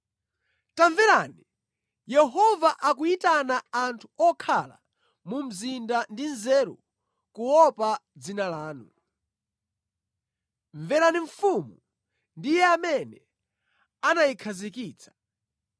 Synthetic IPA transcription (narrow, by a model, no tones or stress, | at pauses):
taɱvɛɾani | jɛɦɔvaʔakuitanaantʰu̥ɔkʰala̰ | mum̩zindandinzɛɾṵ | kuwɔpad͡zinalaːnu | ɱvɛɾaniɱ̩fumu | ndijɛamɛnɛ | anajikʰazikiːt͡sʰḁ